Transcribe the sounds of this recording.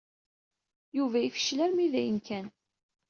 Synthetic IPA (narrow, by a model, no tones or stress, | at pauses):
juvæifə̥ʃlæɾmiðæjənkʰæn